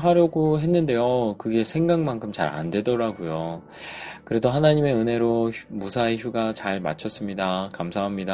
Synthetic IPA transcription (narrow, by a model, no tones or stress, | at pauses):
ɦaɾjʌɡoɦe̞nːɯnde̞jokɯɡe̞sʰe̞ŋɡaŋmankʰɯmt͡ɕa̰ɾa̰ndwe̞dʌɾaɡojo | kɯɾe̞doɦanaɲime̞ɯnɦe̞ɾomusʰaeçjuɡat͡ɕaɭma̰t͡ɕʰʌs͈ɯmɲidakamsʰaɦamɲida